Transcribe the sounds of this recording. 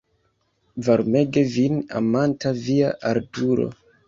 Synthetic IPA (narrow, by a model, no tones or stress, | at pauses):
vaɾme̞ɡe̞vina̰mantaviaʔaɾtuɾo̰